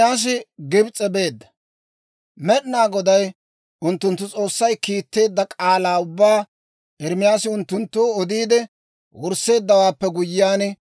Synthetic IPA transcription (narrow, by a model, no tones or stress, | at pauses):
jaːs̬ɪɡɪbt͡sʼɛbe̞ːd̪ːɐ̥ | mɛɗnaːɡɔd̪ɐj | ʊnt̪ːʊnt̪ːʊt͡sʼo̞ːsːɐjkiːt̪ːe̞ːd̪ːɐkʼaːlaːʊbːaː | ɪɾmɪjaːsɪʊnt̪ːʊnt̪ːuːɔd̪iːd̪ɛ | wʊɾse̞ːd̪ːɐwaːpːɛɡʊjːaːn